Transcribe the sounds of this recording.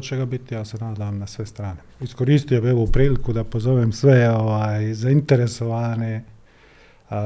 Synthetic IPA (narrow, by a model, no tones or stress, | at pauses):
t͡ʃeɡabit̪ijaːse̞naːd̪amnasʋe̞st̪ɾaːneisko̞ɾiːst̪ijobieʋopɾiːlikud̪apozoʋemsʋeoʋaːjzaint̪eɾeso̞ʋaːne